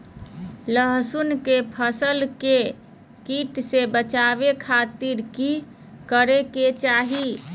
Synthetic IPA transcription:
ləɦsunkepʰəsəlke | kiʈsebət͡ʃaβekʰat̪iɾki | kəɾeket͡ʃaɦi

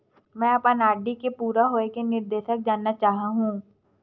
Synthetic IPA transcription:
mɛ̃ːɐpanaːɖikepuːɾaɦoːekenɪɾd̪eːʃək̚d͡ʒaːnːat͡ʃaːɦaɦũː

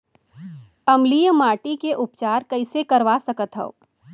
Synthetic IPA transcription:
ɐmlijəmaːʈikeʔʊpt͡ʃaːɾkɐɪsekɐɾʋasɐkət̪ɦɐ̰o̰ː

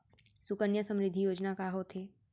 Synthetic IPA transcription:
sʊkənjəsə̃mɾɪd̪ʱːijoːd͡ʒnakaɦot̪ʰɦeː

